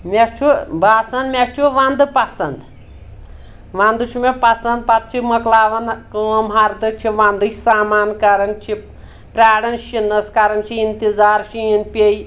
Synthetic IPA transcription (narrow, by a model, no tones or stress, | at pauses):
mʲest͡ʃʰubʱaːsɐnd̪mʲeft͡ʃʰuʋɐnd̪ɨpɐsɐnd̪ | ʋɐ̃nd̪ut͡ʃʰumepɐsɐnd̪̚pɐt̪̚t͡ʃʰimɐklaːʋɐnkəːmɦɐɾd̪ɨt͡ʃʰiʋɐnd̪ɨt͡ʃʰsaːmaːnkɐɾɐnt͡ʃʰi | pɾʲaːɽɐnʃinɐskɐɾɐnt͡ʃʰiint̪izaːɾʃiinpʲej